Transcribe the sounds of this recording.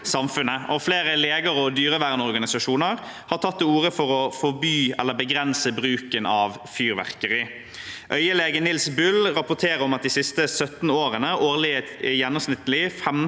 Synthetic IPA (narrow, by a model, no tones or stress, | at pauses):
sɑmfʉnəʔɔfleːɾəleːɡəɾɔd̪yːɾəʋæʁnəɔɾɡɑnɪsɑʂuːnəɾ | hɑɾt̪ʰɑt̪ːɛuːʁəfɔɾɔfɔbyːɛ̰lːəbəɡɾɛnsəbɾʉːkənɑːʋ | fyːɾʋæ̰ʁkəɾɪ | ʔœ̰ʏəleːɡənɪlsbʉlʁɑpʊt̪ʰeːɾəɾɔmɑt̪̚d̪iːsɪst̪əsœt̪n̩oːɾənəʔoːɾlɪt̪jɛnːɔmsnɪt̪ːəlɪfɛm